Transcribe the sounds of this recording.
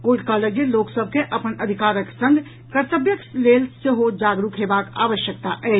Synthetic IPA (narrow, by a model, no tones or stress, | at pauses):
koʈkaləɡeloːksəb̚ʱkeʔəpənəd̪ʱikaːɾəksə̃ŋɡ | kəɾt̪əbjəkleːlsəɦod͡ʒaːɡɾukɦebaka̰ːʋəʃjək̚t̪aʔɛː